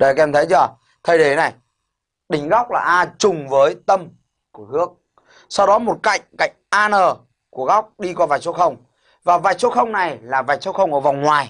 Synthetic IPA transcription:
ɗə˧jkɛ˧mt̪ʰə˨˦jt͡ɕɔ˧˩ | t̪ʰə˨˩jɗe˧˩na˨˩j | ɗï˨˦ŋ̟ɣɔ˦˥wk͡p̚laː˨˩ʔaː˧t͡ɕʊ˨˩ŋ͡mvəː˨˦jt̪ə˧m | ku˧˩əhɨ˦˥ək̚ | sa˧wɗɔ˨˦mo˨˩t̚ka̰˧˨jŋ̟ka̰˧˨jŋ̟ʔaː˧nəː˨˩ | ku˧˩əɣɔ˦˥wk͡p̚ɗi˧kwaː˧vaː˨˩j̚so˧˦˥xə˧wŋ͡m | vaː˨˩vaː˨˩j̚so˦˥xə˧wŋ͡mna˨˩jlaː˨˩vaː˨˩j̚so˧˦˥xə˧wŋ͡mʔəː˧˩va˨˩wŋ͡mŋwaː˨˩j

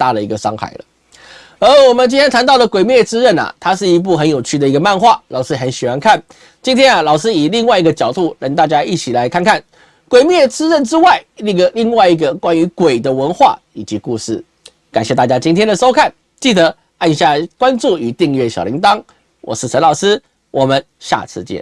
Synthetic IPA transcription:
t̪a˥˩lə˩i˧˥ɡə˧ʂɑ˥ŋxa̰˥˩ɪlə̰˦ | ə˧˥wɔ˨˩mə˨nt͡ɕi˥ntʰjɛ˥nt̪ʰa˧˥nt̪ɑ˥˩ʊlə˩kwe˨˩ɪmjɛ˥˩t͡sɹ̩˥ɻə˥˩nɐ̰˩t̪ʰa˥ʂɻ̩˥˩i˧˥p̬u˥˩xə˧˥njo˨ʊt͡ɕʰy˥˩d̪ə˩i˧˥ɡə˧ma˥˧nxwa˥˩lɑ˨˩ʊʂɻ̩˥xə˧˥nɕi˨˩xwa˧˥nkʰa˥˩n | t͡ɕi˥nt̪ʰjɛ˥nɐ˨lɑ˨˩ʊʂɻ̩˥i˨˩li˥˧ŋwa˥˧ɪi˧˥ɡə˧t͡ɕjɑ˨˩ʊt̪u˥˩ɻɑ˧˥ŋt̪a˥˩t͡ɕja˥i˥˩t͡ɕʰi˨˩la˧˥ɪkʰa˥˧nkʰa˥˩n | kwe˨˩ɪmjɛ˥˩t͡sɹ̩˥ɻə˥˩nʈ͡ʂɻ̩˥wa˥˩ɪli˥˧ɡə˧˦li˥˧ŋwa˥˩ɪi˧˥ɡə˨kwa˥ny˧˥kwe˨˩ɪd̪ə˦wə˧˥nxwa̰˥˩ | i˨˩t͡ɕi˧˥ku˥˧ʂɻ̩˥˩ | ka˨˩nɕjɛ˥˧t̪a˥˧t͡ɕja˥t͡ɕi˥nt̪ʰjɛ˥nd̪ə˨ʂo˥ʊkʰa˥˩n | t͡ɕi˥˩t̪ə˧˦ | a˥˧nɕja˥˩kwa˥nt͡su˥˨˩y˨˩t̪i˥˧ŋɥɛ˥˩ɕjɑ˨˩ʊlḭ˧˥ŋt̪ɑ˥ŋ | wɔ̰˨˩ʂ̩˥˩ʂʰə˧˥nlɑ˨˩ʊsɹ̩˥ | wʔɔ˨˩mə˦nɕja̰˥˧˨t͡sʰɹ̩˥˧t͡ɕjɛ̰˥˩

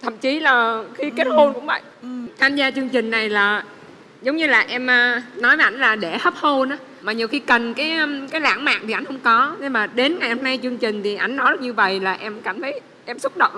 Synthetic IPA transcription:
t̪ʰə̰˧˨mt͡ɕi˨˦laː˨˩xi˧ke˦˥t̚ho˧nkʊ̰˧˥ŋ͡mvə̰˧˨jt̪ʰaː˧mzaː˧t͡ɕɨ˧əŋt͡ɕï˨˩ŋ̟na˨˩jlaː˨˩ | zə˨˦wŋ͡mɲɨ˧laː˨˩ʔɛ˧mʔnɔ˨˦jvə˨˦ʔa˧˩jŋ̟laː˨˩ɗe˧˩hə˦˥p̚ho˧na˨˦ | maː˨˩ɲi˨˩əwxi˧kə˨˩nkaː˨˦jkaː˨˦jla̰ː˧˥ŋma̰ː˧˨ŋ̚t̪ʰi˨˩ʔa˧jŋ̟hə˧wŋ͡mkɔ˨˦ne˧maː˨˩ɗe˨˦nŋa˨˩jʔɛ˧mna˧jt͡ɕɨ˧əŋt͡ɕï˨˩ŋ̟t̪ʰi˨˩ʔa˧˩jŋ̟nɔ˨˦jzə˦˩ɲɨ˧və̰˧˨jlaː˨˩ʔɛ˧mka˧˩mt̪ʰə˨˦j | ʔɛ˧msʊ˦˥t̚ɗə̰˧˨wŋ͡m

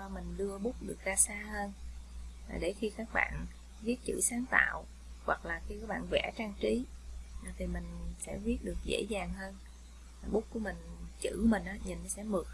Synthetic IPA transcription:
ɔ˧˩mï˨˩ŋ̟ɗɨ˧əɓʊ˦˥k͡p̚ɗɨ˨˩ək̚zaː˧saː˧həː˧n | aː˨˩ɗe˧˩xi˧kaː˦˥k̚ɓa̰ː˧˨n | vi˦˥ət̚t͡ɕɨ̰˧˩saː˨˦ŋt̪a̰ː˧˨w | ɣwa˨˩k̚laː˨˩k̪i˧kaː˨˦jɓa̰ː˧˨nvɛ̰˧˩t͡ɕaː˧ŋt͡ɕi˨˦ʔt̪ʰi˨˩mï˨˩ŋ̟sɛ̰˧˥vi˦˥ət̚ɗɨ˨˩ək̚zḛ˧˥zaː˨˩ŋɦəː˧n | aː˨˩ɓʊ˦˥ku˧˩əmï˨˩ŋ̟t͡ɕɨ˧˩mï˨˩ŋ̟ʔaː˨˦ɲi˨˩n˨˦sɛ̰˧˥mɨ˨˩ək̚

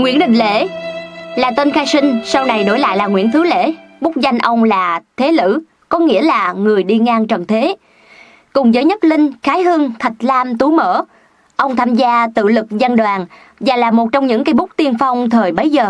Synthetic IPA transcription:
ŋwḭ˧˥ənɗï˧˨ŋ̟lḛ˧˥ | laː˨˩t̪we˧nxaː˧jsï˧ŋ̟sa˧wna˨˩jɗo̰˧˩jla̰ː˧˨jlaː˨˩ŋwḭ˧˥ənt̪ʰɨ˨˦lḛ˧˥ɓʊ˦˥k͡p̚za˧jŋ̟ʔə˧wŋ͡mlaː˨˩t̪ʰe˨˦lɨ̰˧˥ | kɔ˨˦ŋḭ˧˥əlaː˨˩ŋɨ˨˩əjɗi˧ŋaː˧ŋt͡ɕə˨˩nt̪ʰe˨˦ | kʊ˨˩ŋ͡mzəː˨˦jɲə˦˥t̚lï˧ŋ̟xaː˨˦jɦɨ˧əŋt̪ʰə˨˩t̚laː˧mt̪u˨˦mə̰ː˧˥ | ʔə˧wŋ͡mt̪ʰaː˧mzaː˧t̪ɨ̰˧˨lɨ˨˩k̚zə˧nɗwaː˨˩ŋ | vaː˨˩laː˨˩mo˨˩t̚t͡ɕɔ˧wŋ͡mɲɨ̰˧˥ŋkaː˨˦ɓʊ˦˥k͡p̚t̪i˧ənfa˧wŋ͡mt̪ʰəː˨˩jɓə˨˦jzəː˨˩

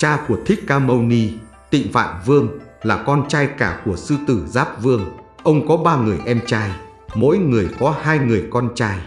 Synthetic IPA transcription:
t͡ɕaː˧ku˧˩ət̪ʰï˦˥k̟̚kːaː˧mə˧wni˧ | t̪ḭ˧˨ŋ̟fa̰ː˧˨nvɨ˧əŋlaː˨˩kɔ˧nt͡ɕaː˧jkaː˧˩ku˧˩əsɨ˧t̪ɨ˧˩zaː˦˥p̚vɨ˧əŋ | ʔə˧wŋ͡mkɔ˨˦ɓaː˧ŋɨ˨˩əjʔɛ˧mt͡ɕaː˧j | mo̰˧˥jŋɨ˨˩əjkɔ˨˦haː˧jŋɨ˨˩əjkɔ˧nt͡ɕaː˧j

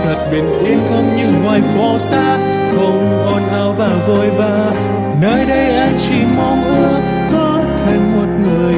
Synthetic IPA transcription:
tə˨˩t̚ɓe˨˩nʔi˨˧˦nkə˧˦ŋ͡mɲɨ˧˩ŋwaː˨˩jfɔ˧˩saː˧˥ | kɔ˧ŋ͡m | ʔɔ˧˩nːa˧wvaː˨˩wvo˧˩jvaː˨˩ | nəː˧jɗə˧jʔaː˧jt͡ɕi˧˩mɔ˧mʔə˧ | kɔ˨˦ | t̪ʰa˧˩jŋ̟mo˨˩t̚ŋɨ˨˩əj

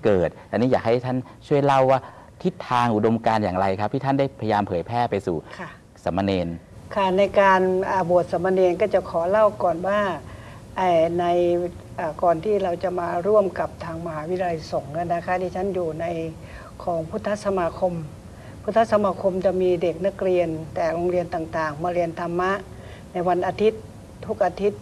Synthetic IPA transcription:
kɤː˨˩t̪̚a˧niː˦˥jaː˨˩k̚ha˥˩jt̪ʰa˥˩n | t͡ɕʰu˥˩əjla˥˩waː˥˩ | t̪ʰi˦˥t̪ʰːaː˧ŋʔu˨˩do˧mkaː˧njaː˨˩ŋɾa˧jkʰa˦˥p̚t̪ʰiː˥˩a˥˩nda˥˩jpʰa˧ja˧jaː˧mpʰɤː˩˦jpʰɛː˥˩pa˧jsṵː˨˩kʰa˥˩ | sa˩˦mːa˧neː˧n | kʰa˥˩na˧jkaː˧nʔaː˨˩bu˨˩ət̪̚sa˩˦ma˧neː˧nkɔː˥˩t͡ɕa˨˩ʔkʰɔː˩˦la˥˩wkɔː˨˩nwaː˥˩ | ʔaː˧˩na˧j | ʔaː˨˩kɔː˨˩nt̪ʰiː˥˩ɾa˧wt͡ɕa˨˩maː˧ɾu˥˩əmka˨˩p̚t̪ʰaː˧ŋma˧haː˩˦wi˦˥t̪ʰa˧so˩˦ŋka˧˥˩nːa˦˥kʰa˦˥t̪iː˧˩t͡ɕʰa˦˥njuː˨˩na˧j | kʰɔː˩˦ŋpʰu˦˥t̪ʰːa˦˥sa˧maː˧kʰo˧m | pʰu˦˥t̪ʰːa˦˥sa˧maː˧kʰo˧mt͡ɕa˨˩miː˧de˨˩k̚na˦˥k̚ɾi˧ənt̪ɛː˨˩ɾo˧ŋɾi˧ənt̪aː˨˩ŋt̪aː˨˩ŋmaː˧ɾi˧ənt̪ʰa˧mːa˦˥ʔ | na˧jwa˧nʔaː˧t̪ʰi˦˥t̪̚ʰː | u˦˥k̚ʔa˧t̪ʰi˦˥t̪̚

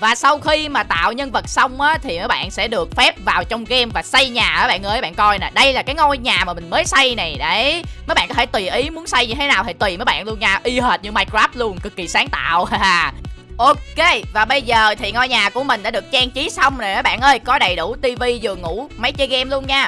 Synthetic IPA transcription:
vaː˨˩sa˧wxi˧maː˨˩t̪a̰ː˧˨wɲə˧nvə˨˩t̚sa˧wŋ͡mʔaː˨˦t̪ʰi˨˩məː˨˦jɓa̰ː˧˨nsɛ̰˧˥ɗɨ˨˩ək̚fɛ˦˥p̚vaː˨˩wt͡ɕɔ˧wŋ͡mɣɛ˧mvaː˨˩sa˧jɲaː˨˩ʔəː˨˦ɓa̰ː˧˨nʔəː˨˦jɓa̰ː˧˨nkɔ˧jna˨˩ɗə˧jlaː˨˩kaː˨˦jŋɔ˧jɲaː˨˩maː˨˩mï˨˩ŋ̟məː˨˦jsa˧jna˨˩jɗe˧˩˦mə˨˦jɓa̰ː˧˨nkɔ˦t̪ʰe˧˩t̪wi˨˩ʔi˨˦mu˨˦ənsa˧jɲɨ˧t̪ʰe˨˦naː˨˩wt̪ʰi˨˩jt̪wi˨˩məː˨˦jɓa̰ː˧˨nlu˧ənɲaː˧ʔi˧ɦəː˨˩t̚ɲɨ˧maː˧jkaː˦˥p̚lu˧ənkɨ˨˩k̚ːi˨˩saː˨˦ŋt̪a̰ː˧˨wʔo˨˧ke˧vaː˨˩ɓə˧jzəː˨˩t̪ʰi˨˩ŋɔ˧jɲaː˨˩ku˧˩əmï˨˩ŋ̟ɗa̰ː˧˥ɗək̚t͡ɕaː˧ŋt͡ɕi˨˦sa˧wŋ͡mna˨˩jəː˨˦jɓa̰ː˧˨nʔəː˧jkɔ˨˦ɗə˨˩jɗu˧˩t̪i˧vi˧zɨ˨˩əŋṵ˧˥ma˨˦jt͡ɕə˧jɣɛ˧mlu˧ənɲaː˧

